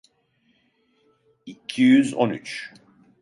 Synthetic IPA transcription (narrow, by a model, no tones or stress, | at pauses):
icʰijyzo̰nyt͡ʃ